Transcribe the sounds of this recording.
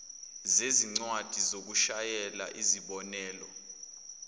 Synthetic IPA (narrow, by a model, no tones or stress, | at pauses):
zeziŋ͡ǀwad̥ʱizok̬uʃajɛla̰ʔiziɓɔnɛːlɔ̰